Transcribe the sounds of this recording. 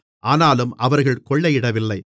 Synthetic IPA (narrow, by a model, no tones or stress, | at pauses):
ʔaːnaːlɯmʔɐʋɐɾɣɐɭkɔɭːɐjɪɽɐʋɪlːɐɪ